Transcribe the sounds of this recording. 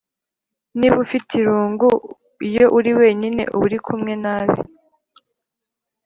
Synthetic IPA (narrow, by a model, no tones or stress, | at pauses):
niβufitʰiɾuːŋɡu | ijo̞ʔuɾiwe̞ːɲine̞̰ʔuβuɾikʰumŋe̞naːβḭ